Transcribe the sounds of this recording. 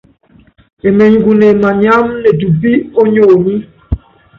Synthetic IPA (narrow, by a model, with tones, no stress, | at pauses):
e˨mɛ˨ɲ˨ɡu˨nɛ˨ma˨ɲa˦mnɛ˨du˨bi˦o˦ɲoː˨ni˦